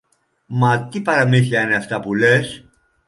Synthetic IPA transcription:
mɐt̪ipɐɾɐmiθiɐine̞ɐft̪ɐpule̞s

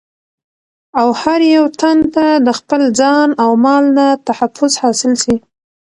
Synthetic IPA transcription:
awhaɾjawt̪ant̪ad̪əxpəld͡zɑnawmɑlnat̪ahafʊzhɑsɪlsi

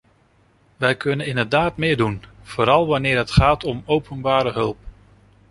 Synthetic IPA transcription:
ʋɛjkɵnənɪndəɹdaːtmɪːɹdunv̥oːɾɑlˠʋɑnɪːɹɦətχaːtɔmowpʰənbaːɾəɦɵlˠp

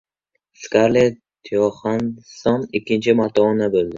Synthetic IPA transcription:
skaɾle | t̪ʰijɒχansɒnɪkʲʰːɪnt͡ʃʰɪmat̪ʰɒːnabɵlˠd̪ɪ

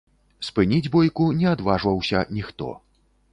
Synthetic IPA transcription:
spɨnʲid͡zʲbɔjkunʲɛad̪vaʐvɐwsʲɐ̰nʲixt̪ɔ̰

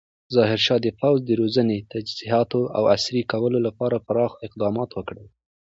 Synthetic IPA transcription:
zɑɦɪɾʃɑd̪əpawzd̪əɾozənet̪ad͡ʒziɦɑt̪oa̰wa̰sɾikawəlolapɑɾapəɾɑxɪq̚d̪ɑmɑt̪wəkɽəl

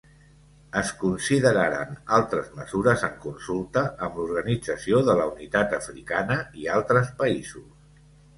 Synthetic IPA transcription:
əskunsiðəɾaɾa̰nalˠt̪ɾəzməzuɾəzəŋkunsulˠt̪əʔəmluɾɣənid͡zəsioðələunit̪at̪əfɾikanəialˠt̪ɾəspəizus

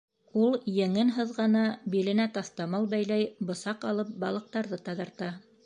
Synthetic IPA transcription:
ulˠjɘ̆ŋɘnɦɤ̆ðʁɑnɑbilɘ̆næt̪ɑθt̪ɑmɑlˠbæjlæjbŏsɑqɑlˠɤp̚bɑlˠɤ̆q̚t̪ɑɾðɤt̪ɑðɑ̆ɾt̪ɑ

